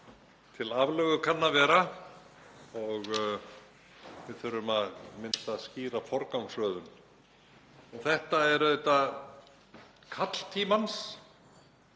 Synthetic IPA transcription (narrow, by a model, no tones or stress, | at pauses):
t̪ʰɪlavlœːɣʏkʰanːavɛːɾa | ɔɣ | vɪðθœɾʏmaðmɪnt̪asciːɾafɔɾkawmsvœːðʏn | ɔθɛht̪aɛɾœjt̪a | kʰat̪l̥t̪ʰiːmans